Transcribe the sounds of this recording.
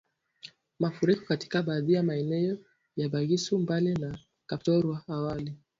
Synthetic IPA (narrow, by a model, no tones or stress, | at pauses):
mafuɾikɔ̥kati̥kaɓaːðijamaɛnɛjɔ | jaɓaɣisumbalina | kaptɔɾwaːwali